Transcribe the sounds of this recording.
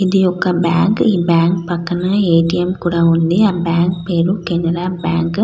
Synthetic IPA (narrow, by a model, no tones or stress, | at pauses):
ɪðɯjɔkːabaːŋkiːbaːŋkpɐkːɐnɐeːʈːɪjɛmkuːɽaʋɐnd̪ɯabaːŋk̚peːɾukɛnɐɾaːbaːŋk